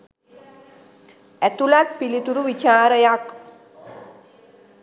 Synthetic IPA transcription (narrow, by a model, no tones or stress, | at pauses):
æt̪ulat̪pilit̪uɾuʋit͡ʃaːɾəjak